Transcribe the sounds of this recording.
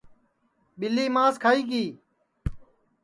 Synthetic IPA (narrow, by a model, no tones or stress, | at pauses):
ɓɪlːiːmãːskʰaːiːɡiː